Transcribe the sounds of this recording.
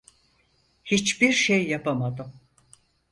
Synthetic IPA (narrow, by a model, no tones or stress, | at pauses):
hit͡ʃbiɾʃejːapʰamad̪ɯ